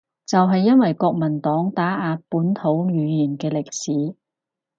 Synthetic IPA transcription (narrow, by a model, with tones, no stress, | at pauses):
t͡sɐ˨wɦɐ˨jːɐ˥nwɐ˨jkɔː˧k̚mɐ˨˩nt̪ɔː˨˥ŋt̪aː˨˥ʔaː˨˧puː˨˥nt̪ʰo˨˧˥wjyː˨˧jiː˨˩nkɛː˧lɪ˨k̚siː˨˥